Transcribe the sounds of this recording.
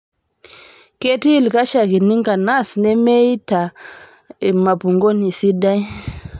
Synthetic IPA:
ke˦ti˦lka˦ʃa˨ki˨ni˦ŋka˨na˦snɛ˦me˦ta˨ | ma˨pu˨ŋɡo˦ni˨si˦da˦j

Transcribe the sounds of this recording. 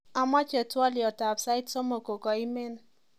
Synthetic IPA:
a˨ma˦t͡ʃɛ˨twa˦li˨ɔ˨ta˨psa˦ɪ˦tsɔ˦mo˨ko˨kɔ˨i˦mɛ˦n

